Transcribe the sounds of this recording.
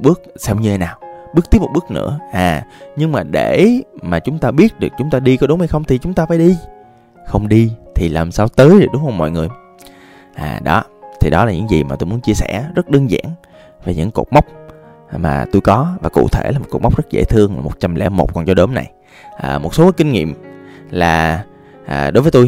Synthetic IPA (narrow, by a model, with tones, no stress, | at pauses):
ɓɨ˦˥ək̚sɛ˧wɲɨ˧t̪e˧˦naː˨˩wɓɨ˦˥k̚t̪i˦˥pmo˨t̚ɓɨ˦˥ək̚nɨ̰˧˥əʔaː˨˩ɲɨ˧ŋmaː˨˩ɗe˧˩maː˨˩t͡ɕʊ˨˦ŋ͡mt̪aː˧ɓi˦˥ət̚ɗɨ˨˩ək̚t͡ɕʊ˨˦ŋ͡mt̪aː˧ɗi˧kɔ˨˦ɗʊ˨˦ŋ͡mha˧jxə˧wŋ͡mt̪ʰi˨˩t͡ɕʊ˨˦ŋ͡mt̪aː˧faː˧˩jɗi˧ | xə˧wŋ͡mɗi˧t̪ʰi˨˩laː˨˩msaː˧wt̪əː˨˦jɗe˨˩ɗʊ˨˦ŋ͡mha˧˩mɔ̰˧˨jŋɨ˨˩əj | ʔa̰ː˨˩ɗɔ˨˦t̪ʰi˨˩ɗɔ˨˦laː˨˩ɲɨ̰˧˥ŋzḭ˨˩ma̰ː˨t̪u˧jmu˨˦ənt͡ɕi˧əsɛ̰˧˩zə˦˥t̚ɗəː˧nza̰ː˧˥n | ve˨˩ɲɨ̰˧˥ŋko̰˨˩k͡p̚ma˦˥wk͡p̚ma̰ː˨˩t̪u˧jkɔ˨˦vaː˨˩kṵ˧˨t̪ʰe˧˩laː˨mo˨˩t̚ku˨˩m˦˥k͡p̚zə˦˥t̚zḛ˧˥t̪ʰɨ˧əŋlaː˨˩mo˨˩t̚t͡ɕa˧mlɛ̰˧˥mo̰˨˩k͡p̚kɔ˨˩nt͡ɕɔ˧ɗo˨˦mna̰˨˩j | ʔəː˨˩mo˨˩t̚so˨˦kːkï˧ŋ̟ŋḭ˧˨əm | laː˨˩ | ʔːɗo˨˦jvəː˨˦jt̪u˧j